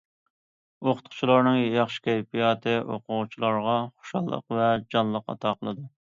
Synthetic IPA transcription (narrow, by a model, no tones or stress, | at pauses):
oqʰʊ̥t̪̚qʰʊ̥t͡ʃʰilˠɑɾnɨŋjɑχʃi̥kʲʰɛjpijɑːt̪ʰɨʔoqʊʁʊt͡ʃʰilˠɑɾʁɑχo̥ʃɑlˠːə̰q̚vɛd͡ʒɑnlˠəqɑ̰t̪ʰɑːqʰəlˠɨd̪u